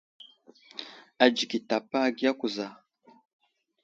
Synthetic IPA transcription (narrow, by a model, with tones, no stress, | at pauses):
a˨d͡ʒi˨ki˨ta˨pa˦ɡi˦ja˦ku˨za˨